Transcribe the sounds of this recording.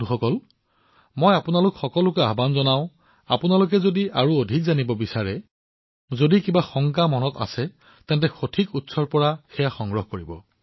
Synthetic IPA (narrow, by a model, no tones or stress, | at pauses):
uxɔkɔl | mojapʊnalʊkxɔkɔlʊkɛabanzɔnaʊ̃ | apʊnalʊk̬ɛzodiaɹuodʱikzanibɔbisaɹɛ | zodikibaxɔŋk̬amɔnɔta̰sɛ | tɛ̃ntɛxotʰikutsɔɹpɔɹaxɛjaxɔŋɡɹɔɦkoɹibɔ